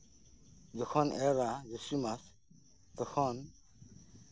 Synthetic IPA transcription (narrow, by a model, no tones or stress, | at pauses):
zɔkʰɔnɛɾazusumas | t̪ɔkʰɔn